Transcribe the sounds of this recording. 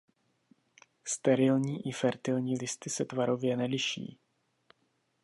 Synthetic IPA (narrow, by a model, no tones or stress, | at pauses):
st̪ɛɾɪlɲiːʔɪfɛɾt̪ɪlɲiːlɪst̪ɪsɛt̪vaɾo̞vjɛnɛlɪʃḭː